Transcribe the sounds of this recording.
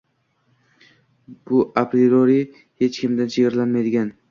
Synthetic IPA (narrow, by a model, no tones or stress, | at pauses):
b̥ʊʔapɾioɾi | he̞t͡ʃkʲɪmd̪ant͡ʃʰeɡʲɪɾlanmajd̪ɪɡʲan